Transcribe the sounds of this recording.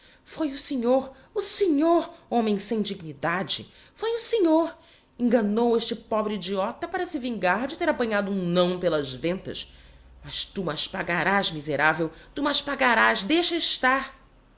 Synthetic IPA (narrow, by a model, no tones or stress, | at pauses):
fojʊseɲoɾ | ʊseɲoɾõmẽj̃sẽj̃d͡ʒiɡ̚nid̪ad͡ʒɪ̰ | fojʊseɲoɾ | ẽŋɡɐnoweʃt͡ʃɪpɔbɾɪid͡ʒiɔt̪ɐpaɾɐsɪvĩŋɡaɾd͡ʒɪt̪eɾapɐ̃ɲad̪ʊũnɐ̃w̃pelɐzvẽnt̪ɐ̰ʃ | mɐʃt̪umaʃpaɡaɾazmizeɾavewt̪umaʃpaɡaɾazd̪ejʃɐɪʃt̪aɾ